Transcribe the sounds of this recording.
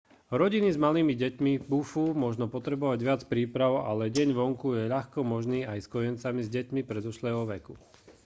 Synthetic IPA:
ɾɔɟinizmaliːmiɟɛcmibufumʊɔʒnɔpɔt̪ɾɛbɔʋaɟʋɪat͡spɾiːpɾaʊa̰lɛɟɛɲʋɔŋkujɛʎaxkɔmɔʒniːajskɔjɛnt͡samizɟɛcmipɾɛd̪uʃlɛːɦɔʋɛku

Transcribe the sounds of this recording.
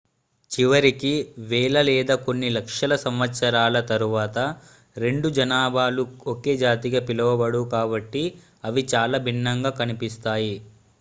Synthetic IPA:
t͡ʃiʋɐɾikiʋɛːlɐlɛːd̪ɐko̞nːilɐkʂɐlɐsɐmʋɐt̪sɐɾaːlɐt̪ɐɾuʋaːt̪ɐ | ɾe̞ɳɖud͡ʒɐnaːbaːluoke̞ːd͡ʒaːt̪iɡɐpilɐʋɐbɐɽukaːbɐʈːi | ɐʋit͡ʃaːlaːbʱinːɐŋɡaːkɐnipist̪aːji

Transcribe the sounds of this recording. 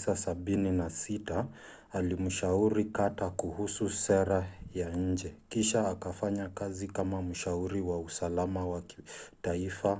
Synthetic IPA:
sasaɓininasita | alim̩ʃauɾikatakuhususɛɾajaɲ̩d͡ʒɛkiʃaːkafaɲakazikamam̩ʃauɾiwausalamawakitaifa

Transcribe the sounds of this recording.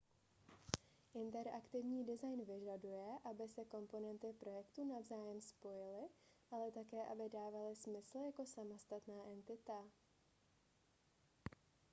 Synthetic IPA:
ʔɪnt̪ɛɾʔakt̪ɪvɲiːdɪzajnvɪʒadujɛʔabɪsɛko̞mpo̞nɛnt̪ɪpɾo̞jɛkt̪uːnavzaːjɛmspo̞jɪlɪʔalɛt̪akɛːʔabɪdaːvalɪsmɪsl̩jako̞samost̪at̪naːʔɛnt̪ɪt̪a

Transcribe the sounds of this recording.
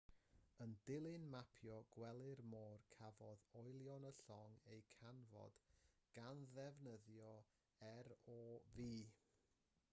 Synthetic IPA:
əndɪlˠɨnmapʰjɔɡ̥wɛlˠɪrmɔːrkʰavɔðɔjlˠjɔnəɬɔŋejkʰanvɔ̰d̥ɡ̥anðɛvnəðjɔ | ɛɾɔviː

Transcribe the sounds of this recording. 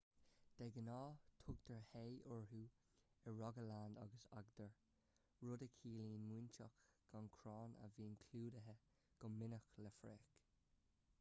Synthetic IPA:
d̥ɛɡənɑːt̪ʰʊɡd̪̥əɹheːɔɹɦuː | əɹɔɡəland̪ɑ̰ɡəsa̰ɡd̪əɹ | ɹʊdəkʰiːliːnmint͡ʃakɡ̥ankʰɹɔːnə̰viːnkʰluːdəɦə | ɡ̥ɔnmɪnəxləfɹɛːk

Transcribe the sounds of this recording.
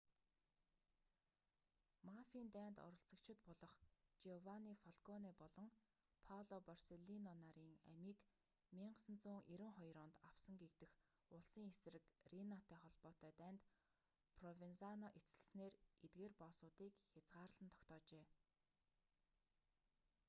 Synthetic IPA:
mafiːnt̪æːnt̪ɔ̰ɾɞ̆ɬt͡sə̆kt͡ɕʰɪ̆t̪̚pɔɮɞ̆χt͡ɕiɔwaniːfɔɮkʰɔniːpɔɮɞ̆ŋ | pʰawɮɔpɔrseɮinɔnaɾiːŋæ̰miːk | miɴɢəsə̆nt͡sʊːŋʔeɾɘ̆ŋχɔjɾʊːnt̪aw̥sə̆ŋɡekt̪ɘ̆x | ʊɮsiːŋes̆rɘ̆krinat̪ʰæːχɔɮpɔːt̪œːt̪æːnt̪ | pʰrɔvinsanɔʔet͡sə̆ɮsneːret̪̚ɡeːrpɔːsʊːt̪iːkxʲat͡sʁaːɾ̆ɮə̆nt̪ʰɔ̥kt̪ɔːt͡ɕeː

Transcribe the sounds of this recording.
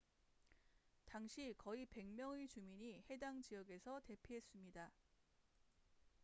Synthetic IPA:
taŋɕʰikʌipe̞ŋmjʌŋet͡ɕumiɲihe̞daŋt͡ɕijʌɡe̞sʰʌte̞pʰiɦe̞s͈ɯmɲida

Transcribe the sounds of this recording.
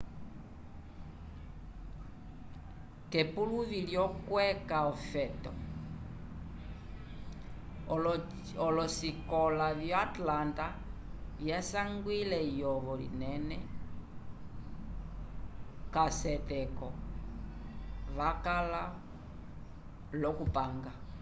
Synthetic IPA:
kɛpuluviljɔkwɛkaɔfɛtɔ̰ | ɔlɔsikɔlavjaatlanta | jasaŋɡwilɛjɔβɔlḭnɛnɛ | kasɛtɛkɔ | βakala | lɔkupaŋɡa

